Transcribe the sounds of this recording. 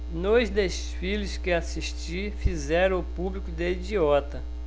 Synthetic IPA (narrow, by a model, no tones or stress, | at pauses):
nojzd̪es | filʊskɪasiʃt͡ʃi | fizɛɾɐ̃ʊpublikʊd̪eid͡ʒiɔt̪ɐ